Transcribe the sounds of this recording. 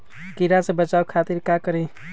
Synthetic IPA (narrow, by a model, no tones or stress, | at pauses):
kiɾasẽbət͡ʃaukʰat̪iɾkakəɾe